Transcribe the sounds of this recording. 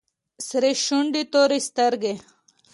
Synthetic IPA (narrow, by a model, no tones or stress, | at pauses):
sɾiɕuɳɖit̪oːɾist̪ɐɾɡe